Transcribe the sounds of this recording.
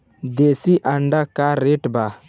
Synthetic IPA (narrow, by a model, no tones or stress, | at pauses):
d̪esiʔɐɳɖakaːɾːeʈba